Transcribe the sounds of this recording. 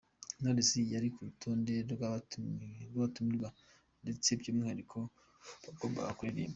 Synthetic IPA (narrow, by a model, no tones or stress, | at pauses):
noɾesijaɾikuutʰoːnde̞ɾɡaβ | ɡaβatumiɾɡa | nde̞t͡se̞bɟoːmŋihaɾikʰo̞ | bakomba̰ɡakuɾiɾḭːmba